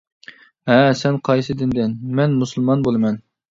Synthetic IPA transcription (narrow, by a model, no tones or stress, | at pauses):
ɦɛsɛnqʰɑjsɨd̪ɪnd̪ɪnmɛnmusɨlˠmɑnbolˠɨmɛn